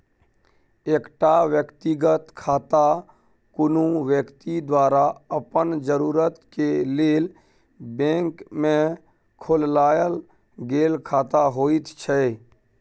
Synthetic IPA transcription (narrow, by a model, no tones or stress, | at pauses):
ekʈaʋjəkt̪ɪɡət̪kʰaːt̪a | kʊnũʋjəkt̪id̪waːɾaəpənd͡ʒəɾuːɾət̪keleːl | bẽːŋkmẽ | kʰʊllaːjəl | ɡeːlkʰaːt̪aɦoːit̪t͡ʃʰɛ